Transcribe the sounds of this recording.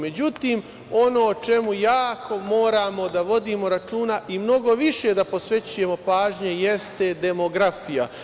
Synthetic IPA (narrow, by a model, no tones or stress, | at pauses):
me̞d͡ʑut̪iːm | o̞no̞ːt͡ʃe̞mujaːko̞mo̞ːɾaːmo̞d̪aʋo̞d̪iːmo̞ɾat͡ʃuːnaʔimno̞ɡo̞ʋiʃe̞d̪apo̞sʋe̞t͡ɕuje̞mo̞paːʒɲe̞je̞st̪ed̪e̞mo̞ɡɾafija